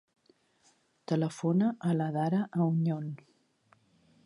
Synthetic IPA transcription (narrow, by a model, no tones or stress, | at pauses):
t̪ələfonəʔːləðaɾəʔəuɲon